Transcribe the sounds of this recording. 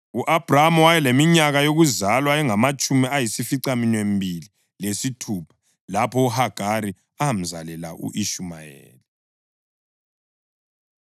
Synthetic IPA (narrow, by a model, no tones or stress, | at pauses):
uʔab̥ʱramɔwajɛlemiɲaɣajoɣuzalwaɛŋamat͡ʃʼumiajisifiǀaminem̩bʱili | lesitʰuːpʰḁ | lapʰɔuhaɡ̥ʱaɾi | am̩zalɛla̰ʔṵʔiʃuma̰jɛ̰ːli